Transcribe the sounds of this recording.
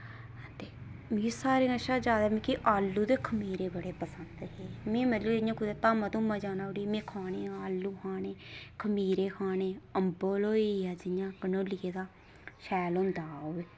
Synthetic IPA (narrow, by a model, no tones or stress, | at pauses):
t̪eːmeːsaːɾeːaʃaːd͡ʒaːd̪aːmẽːkiʔaːlːuːd̪eːkʰəmiːɾeːbəɽeːpəsənd̪ɦeːmẽːmɛt̪ləɪjãːkʰʊd̪eːt̪aːmãːt̪ũːmãːd͡ʒaːnaːʊɽiːmẽːkʰaːneːaːlːuːkʰaːneːkʰəmiːɾeːkʰaːneːəmboːloːiaːd͡ʒɪjãːkənoːlɪeːd̪aː | ʃɛːlõnd̪aːoːeː